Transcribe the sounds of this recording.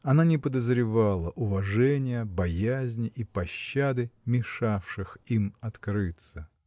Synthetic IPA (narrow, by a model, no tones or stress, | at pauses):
ɐnanʲɪpəd̪əzɾʲɪvalˠəʔʊvɐʐɛnʲɪjəbɐjæzʲnʲɪʔipɐɕːad̪ɨmʲɪʂafʂɨximɐt̪kɾɨt̪sə